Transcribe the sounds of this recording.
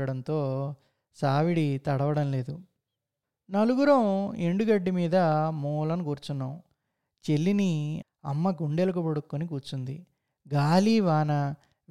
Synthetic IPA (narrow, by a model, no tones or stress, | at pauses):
ɐɽɐnt̪o̞ː | saːʋiɽit̪ɐɽɐʋɐɽɐmle̞ːd̪u | nɐluɡuɾɐwe̞ɳɖuɡɐɖːimiːd̪ɐmɔːlɐnuɡuːɾut͡ʃunːɐw | t͡ʃe̞lːini | ɐ̰mːɐɡuɳɖelɐkubɐɽukːonikuːɾt͡ʃːund̪i | ɡaːliːʋaːnɐ